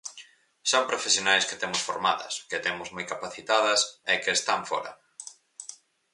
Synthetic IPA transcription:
soŋpɾofesjonajsket̪emʊsfoɾmaðɐ̰sket̪emʊzmojkapaθit̪aðɐsekeːst̪aɱfɔ̰ɾɐ̰

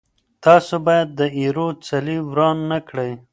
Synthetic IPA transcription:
t̪ɑsobɑjad̪̚ːəiɾot͡saliwɾɑnːakɽəj

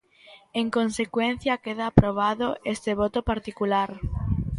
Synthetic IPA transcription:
eŋkonsekwen̟θjɐkeðaːpɾoβ̞aðoʔest̪eβ̞ɔt̪opaɾt̪ikulaɾ

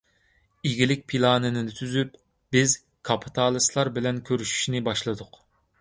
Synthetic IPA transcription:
iɡʲilɪk̚ʲpʰilˠɑːnɨnɪd̪ɪt̪ʰyzyp | b̥ɪz | kʰɑpʰi̥t̪ʰɑːlˠɨslˠɑɾbɪlɛnkʲʰøɾyʃy̥ʃinɪbɑʃlˠɨd̪ʊq

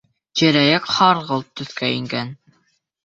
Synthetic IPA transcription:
d͡ʒæ̆ɾæjækχɑɾʁɤlˠt̪ːɵ̆θkæiŋɡæn

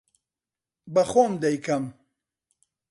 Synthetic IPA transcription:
bɐxoːmd̪ɐjkʰɐm

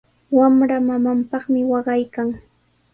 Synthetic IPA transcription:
wamɾamamampɑχmɪwɑɢɑjkaŋ

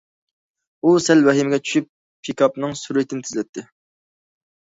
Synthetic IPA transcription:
usɛlwɛɦimɪɡʲɛt͡ʃʰy̥ʃyp̚ːʰ | ikʰɑpnɨŋsuɾɪt̪ʰɪnɪt̪ʰɪzlɛt̪ʰːɪ

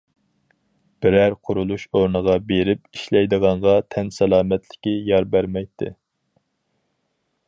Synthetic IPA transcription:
b̥ɪɾæɾqʰʊɾulˠuʃoɾnəʁɑbeɾɪpiʃlɛjd̪əʁɑɴʁɑt̪ʰɛnsɛlˠɑːmɛt̪lɪ̥kʲijɑɾbæɾmɛjt̪ʰːɪ̰

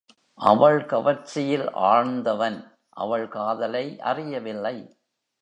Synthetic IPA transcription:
ʔɐ̰ʋɐɭkɐʋɐɾt͡ʃɪjɪlʔa̰ːɻnd̪ɐʋɐn | ʔɐ̰ʋɐɭkaːðɐlɐɪʔɐ̰rɪjɐʋɪlːɐɪ

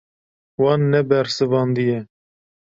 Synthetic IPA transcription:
wɑːnːɛbɛɾsɨvɑːnd̪ijɛ

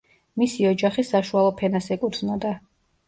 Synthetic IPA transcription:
misiɔd͡ʒaχisaʃualˠɔpʰɛnasɛkʼud̪znɔd̪a

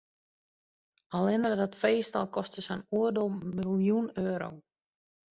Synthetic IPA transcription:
alˠɪnərdatfejsta̰lˠkɔst̪əsɛnuədomilˠjunøːɾo̰w

